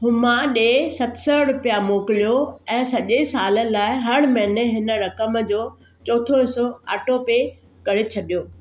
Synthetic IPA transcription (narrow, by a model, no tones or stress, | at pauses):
ɦʊmãɗeːsɐt̪sɔɾʊpijamoːkɪlijoɛ̃ːsɐʄesaːləlaːɪɦɐɽ̃mɐ̃ɦɪneɦɪnə̆ɾɐkəmd͡ʑoː | t͡ɕɔːt̪ʰoɦɪsoa̰ːʈope | kɐɾet͡ɕʰɐɗijoː